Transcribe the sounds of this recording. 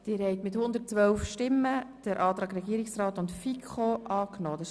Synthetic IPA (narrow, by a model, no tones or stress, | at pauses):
d̥ɪːɾhɛɪt̪mɪthʊnd̪ərt̚t͡sʋœlfʃtɪmːəd̥əɾʔɑːt̪ɾɑːɡɾɛɡ̥iːəɾɪksrɑːtʊntfikχoʔɑːknoːd̥ɑ